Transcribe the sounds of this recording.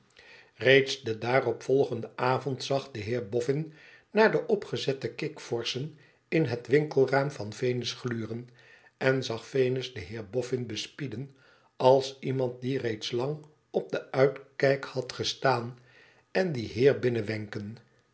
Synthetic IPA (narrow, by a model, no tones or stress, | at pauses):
rejtsdədaːrɔpfɔlˠχəndəʔaːvɔntsɑχdəɦɪːɹbɔfɪn | naːɹdəʔɔpχəzɛtəkɪkfɔɹsən | ɪnɦətʋɪŋkəlˠraːmvɑnfejnəsχlyːrən | ɛnzɑχfejnəzdəɦɪːɹbɔfɪnbəspidən | ɑlˠsimɑnt̚direjtslɑŋ | ɔb̚dəœɥtkɛjkhɑtχəstaːn | ɛndiɦɪːɹbɪnəʋɛŋkən